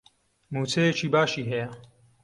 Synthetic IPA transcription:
muːt͡sʰejet͡ʃʰiːbaːʃiːɦɛjɛ

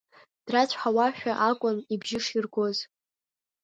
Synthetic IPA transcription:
d̥rat͡ɕʷʰħawaʃᶣaʔakʷʼʊnibʒɪʂirɡʷo̞z

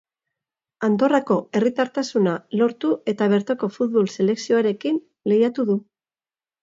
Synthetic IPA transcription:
and̪o̞rako̞e̞rit̪aɾt̪asunalo̞ɾt̪ue̞t̪aβ̞e̞ɾt̪oko̞fut̪̚βo̞lse̞le̞ksio̞aɾe̞kin | le̞jat̪uðu

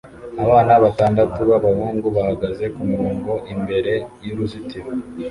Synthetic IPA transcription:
aβaːnaβataːndatuβaβahuːŋɡuβahaɡaze̞kumiɾoːŋɡo̞ʔimbe̞ɾe̞juɾuzitimo

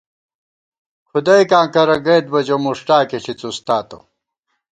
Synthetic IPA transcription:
kʰud̪ɐjkãːkɐɾɐɡɐːt̪̚bɐd͡ʑomuʂʈaːkiɕʰit͡sust̪aːt̪o̰

